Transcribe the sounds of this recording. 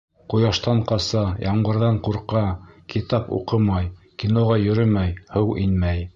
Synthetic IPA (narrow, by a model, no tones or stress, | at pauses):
qujɑʃt̪ɑɴqɑsɑjɑɴbɤ̆ɾðɑɴquɾqɑkit̪ɑpṵqɤmɑjkinoʁɑjɵ̆ɾɘmæjhɤwʔinmæj